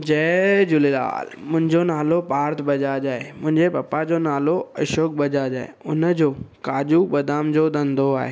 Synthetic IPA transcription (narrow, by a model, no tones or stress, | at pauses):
d͡ʑɛd͡ʑʊlela̰ːlmʊ̃ɦɪ̃ɲd͡ʑonaːlopaːɾt̪ʰbɐd͡ʑad͡ʑaːemʊ̃ɦɪ̃ɲd͡ʑepɐpad͡ʑonaːloɐʃoːk̚bɐd͡ʑad͡ʑa̰ːḛʊnəd͡ʑoːkaːʄubɐd̪aːmd͡ʑoːd̪ɐ̃nd̪ʱoa̰ːɦeː